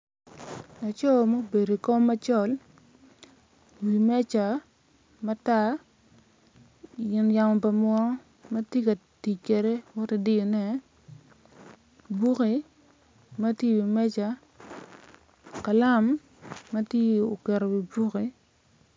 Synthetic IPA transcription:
na˨t͡ʃɔ˦˨mo˦be˨ɾo˨ko˦mːa˦t͡ʃɔ˦˨l | wi˨mɛ˦t͡ʃa˨ | ma˦ta˦ | jɪ˨nja˨mɔ˨pa˨mwɔ˦ | ma˦tje˦ka˨ti˨ke˨ɾe˦wɔ˦te˨di˦o˨nɛ˨ | bu˦ki˨ | ma˦tje˦˨wi˨mɛ˦t͡ʃa˨ | ka˨la˦mː | a˦tje˦o˨kɛ˨ɾo˨wi˨bu˦ki˨

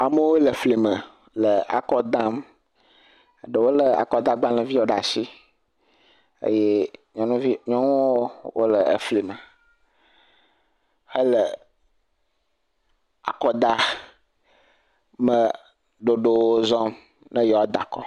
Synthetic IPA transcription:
a˨mə˦wo˦lə˨fli˨mə˨ | lə˨a̰˨kɔ˦d̪ã˦m | ə˨ɖə˨wo˦lə˨a̰˨kɔ˦d̪a˦ɡ͡ba˦lə˨vi˦wo˨ɖa˨si˦ | ə̰˦je˦ɲɔ̃˨nũ˦vi˦ɲɔ̃˦nũ˦wo˦wo̰˦lə˨ə̰˨fli˨mə˨ | hə˦lə˨ | a̰˨kɔ˦d̪a˦ | mə˨ | ɖo˨ɖo˨wo˦zɔ˦m | nə̃˦jɔ˨wɔ˦d̪a˨kɔ̰˦

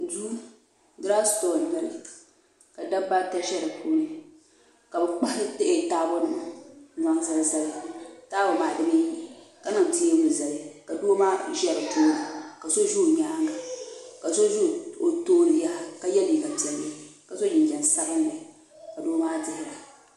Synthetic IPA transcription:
du˦ | dɾa˦sto˨n˨nɨ˦ɾɨ˨ | ka˨da˦ba˦ta˦ʃɛ˦ɾɨ˨po˦nɨ˨ | ka˨bɨ˨k͡pa˦htɪ˦ʔɪ˨taː˦bo˦nɨ˨mn˨a˦ŋsa˦lza˦lɪ˦taː˦bo˨maː˨dɨ˦mi˦i˦˨ka˨nɨ˨m˨ti˦e˦mʊ˨za˨li˦ka˨do˦maː˦ʒɛ˦ɾɨ˨tuː˦a˨ka˨so˦ʒu˦˨ɲa˦ŋɡa˨ka˨so˦ʒu˦˨o˨toː˦li˨˦ja˦ka˨jɛ˦li˨ɡa˨bi˨ɛ˨lka˨so˦d͡ʒɪ˨d͡ʒɛ˨nsa˦ɣɨ˦nla˨ | ka˨do˦maː˦dɪ˦hɪ˦ɾa˨

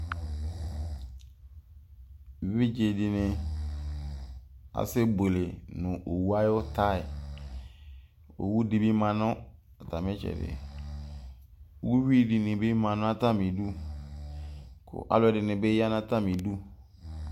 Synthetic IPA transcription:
βi˦d͡ʒe˨dɪ˨nɪ̃˨ | a̰˨se˦bo˨le˨nʊ̃˨ʔo˨wu˦a˦jo˦ta˦˨ɪ˨ | o̰˨wu˦di˦bi˦mã˨nʊ̃˦ | a˨ta˨mɛ̃˦t͡ʃɛ̰˨dɪ̰˨˦ | u˦wi˦di˨nɪ̃˨be˦mã˨nʊ̃˦a˦ta˦mĩ˨du˦ | kʰʊ̰˨ʔa̰˨lʊ˦˨ɛ˨dɪ˨nɪ̃˨be˦a˦n˦a˦ta˦˨mĩ˨du˦

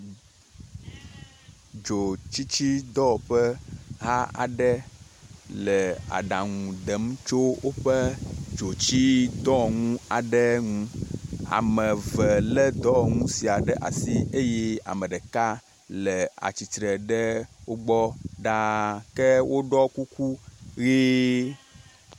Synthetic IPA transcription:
d͡ʒo˨t͡ʃi˦t͡ɕi˦d̪ɔ˦ɸə˦ɦa˦a̰˨ɖɛ˦ | lə˨a̰˨ɖa˨ŋũ˨d̪ɛ˨˦m˦t͡ʃo˦wo˦ɸə˦d͡ʒo˨t͡ɕi˦d̪ɔ˦ŋũ˦a˨ɖɛ˦ŋũ˦a̰˨mə̃˨və˨lə˦d̪ɔ˦ŋũ˦si˨a˨ɖɛ˦ʔa̰˨si˦e˦jɛ˦a̰˨mə̃˨ɖə˨ka˦ | lɛ˨a̰˨t͡ɕi˨t̪ɾə˨ɖə˦wo˦ɡ͡bɔ˦ɖa˦kɛ˦wʔo˦ɖɔ˦ku˦ku˦ɣi˦

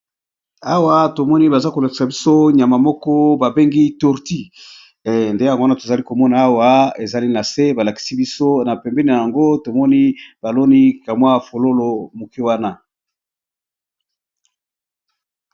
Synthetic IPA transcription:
a˦wa˦to˨mɔ˦ni˦ba˨za˦ko˨la˨ki˨sa˨bi˦so˦ɲ˨a˨ma˨mɔ˦kɔ˦ba˨be˦ŋɡi˦tu˨ʁti˦˨ | nde˦ja˨ŋɡo˦a˦na˦˨to˨za˨li˦ko˨mɔ˦na˨a˦wa˦e˨za˨li˦na˨se˦ba˨la˨ki̥˨si˦bi˦so˦na˨pɛ˨mbɛ˦ni˨na˨ja˨ŋɡo˦to˨mɔ˦ni˦b̥a˨lo˦ni˦ka˨mwa˦fo˨lo˦lo˨mo˨ke˦wa˦na˦

